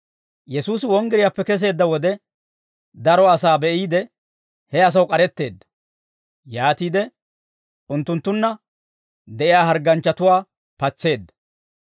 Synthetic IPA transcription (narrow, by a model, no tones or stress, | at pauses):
jɛsuːsɪwɔŋɡɪɾɪjapːɛkɛs̬e̞ːd̪ːɐwɔd̪ɛ | d̪ɐɾɔɐsaːbɛʔiːd̪ɛ | hɛɐs̬ɐwkʼɐɾɛt̪ːe̞ːd̪ːɐ̥ | jaːt̪iːd̪ɛ | ʊnt̪ːʊnt̪ːʊnːɐ | d̪ɛʔɪjaːɦɐɾɡɐnt͡ʃːɐt̪ʊwaː | pɐt͡sːe̞ːd̪ːɐ̥